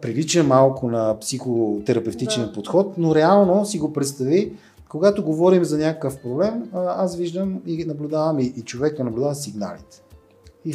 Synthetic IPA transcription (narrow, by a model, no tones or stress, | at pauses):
pɾilit͡ʃəmalˠkʊnɐpsixot̪ɛɾɐpɛft̪it͡ʃnɛpot̪xɔt̪noɾɛalˠnosiɡopɾɛt̪st̪ɐvi | koɡat̪oɡovɔɾimzɐnʲakəkəfpɾoblɛmasviʒd̪əminɐblʲʊd̪avəmiʔːt͡ʃovɛknɐnɐblʲʊd̪avəsiɡna̰lḭt̪ɛ̥ | i